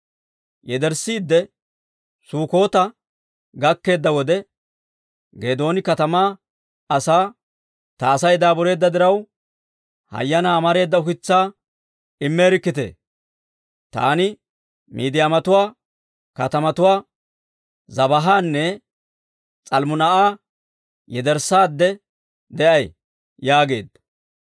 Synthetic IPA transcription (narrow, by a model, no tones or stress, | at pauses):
jɛd̪ɛɾsiːd̪ːɛ | suːko̞ːt̪ɐ | ɡɐkːe̞ːd̪ːɐwɔd̪ɛ | ɡe̞ːd̪o̞ːnɪkɐt̪ɐmaː | ɐsaː | t̪ɐːsɐjd̪aːbɔɾe̞ːd̪ːɐd̪ɪɾɐw | hɐ̰jːɐnaːmɐɾe̞ːd̪ːɐʊkɪt͡sːaː | ɪmːeːɾɪkːɪt̪ḛː | t̪a̰ːnɪ | miːd̪ɪjaːmɐt̪ʊwaː | kɐt̪ɐmɐt̪ʊwaː | zɐbɐɦaːnːɛ | t͡sʼɐlmʊnɐʔaː | jɛd̪ɛɾsaːd̪ːɛ | d̪ɛʔɐj | jaːɡe̞ːd̪ɐ